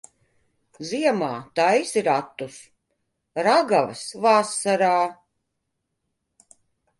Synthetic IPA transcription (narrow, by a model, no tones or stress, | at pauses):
ziɛmaːt̪ajsiɾat̪ːus | ɾaɡavsvasːaɾaː